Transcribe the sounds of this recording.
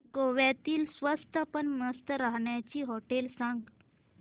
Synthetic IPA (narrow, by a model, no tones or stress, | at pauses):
koʋjat̪iːlsʋəst̪ʰapəɳməst̪əɾaɦɳjat͡ɕiːɦɔʈelsãŋɡ